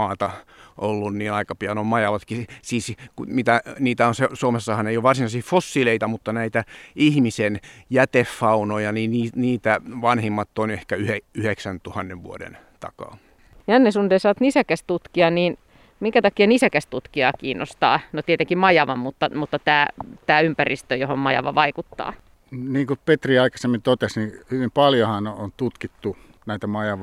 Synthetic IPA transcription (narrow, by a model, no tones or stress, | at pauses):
ɑːt̪ɑʔolːunniːnɑikɑpiɑnommɑjɑʋɑt̪kisiːskumit̪æniːt̪æonsesuomesːɑhɑneijoʋɑrsinɑisifosːileit̪ɑmut̪ːɑnæit̪æihmisenjæt̪efːɑunojɑniniːniːt̪æʋɑnhimːɑt̪ːonehkæyheyheksænt̪uhɑnːeʋʋṵodḛn | t̪ɑ̰kɑ̰ː | jɑnːesundeˑsɑot̪nisækæst̪ut̪kiɑniːn | miŋkæt̪ɑkiɑnisækæst̪ut̪kiɑkiːnːʔo̰st̪ɑ̰ːnot̪iet̪eŋkimɑjɑʋɑmut̪ːɑmut̪ːɑt̪æːt̪æːympærʔist̪øjohommɑjɑ̰ʋɑ̰ʋɑikut̪ːɑ̰ː | niːŋkupet̪riɑikɑ̥semːint̪ot̪esnihyʋimpɑljohɑnont̪ut̪kit̪ːu | næit̪æmɑjɑʋɑ